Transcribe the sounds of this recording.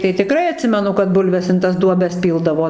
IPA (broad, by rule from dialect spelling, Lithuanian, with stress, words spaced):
tɐɪ tʲɪˈkrɐɪ ɐˈtʲsʲɪmʲɛnʊ kɐt ˈbʊlʲʋʲɛs ɪn tɐs ˈduɔbʲɛs ˈpʲiːlˠdɐʋoː